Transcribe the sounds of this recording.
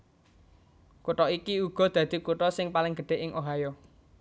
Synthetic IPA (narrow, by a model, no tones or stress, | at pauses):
kuʈɔikiuɡ̥ɔ̤d̪̥ä̤d̪̥i̤kuʈɔsɪŋpalɪŋɡ̥əɖ̥e̤ʔɪŋʔoɦajɔ